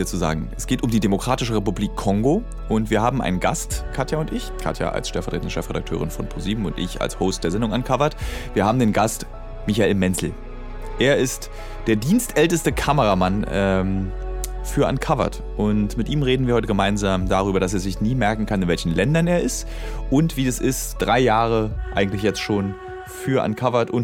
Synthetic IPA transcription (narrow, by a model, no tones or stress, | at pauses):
ɐt͡suza̰ːɡŋ̩ʔɛsɡ̥eːtʊmdiːdemokʁ̥aːtɪʃəʁepubliːkʰːɔŋɡo | ʔʊntv̥iːɐhaːbm̩ʔa̰ɪnənɡa̰stkʰatjaʊntɪçkʰa̰tʰja̰ʔa̰lsʃtɛlfɛɐtʁeːtndəʃtɛlfʁeda̰k̚tʰø̰ːʁɪnfɔnpʰoziːbm̩ʊntʔɪ̰ça̰lshoʊst̚d̥eːɐzɛndʊŋankʰavɐtv̥iːɐhaːbm̩deːnɡast | mɪçaeːlmɛnsl̩ | ʔeːɐɪst | d̥eːɐdiːnstʔɛltəstəkʰaməʁamanɛm | fyːɐʔa̰nkʰavɐ̰t | ʔʊntmɪtʔiːmʁeːdn̩viːɐhɔʏtəɡəmaɪnzaːmdaʁ̞yːbɐɾas̬eːɐzɪçniːmɛɐkŋ̩kʰanɪnvɛlçn̩lɛndɐneːɐɪst | ʔʊntv̥iːdasʔɪstd̥ʁaɪjaːʁ̞əʔa̰ɪɡŋ̩tlɪçjɛt͡stʃoːn | fyːɐʔa̰nkʰavɐtʔʊnt